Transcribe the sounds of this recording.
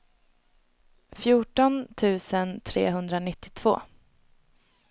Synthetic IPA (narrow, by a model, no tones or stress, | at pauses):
fjuːʈɔnt̪ʰʉ̟ːsənt̪ʰɾḛːɦɵnd̪ɾanɪt̪ːɪt̪ʰv̥o̰ː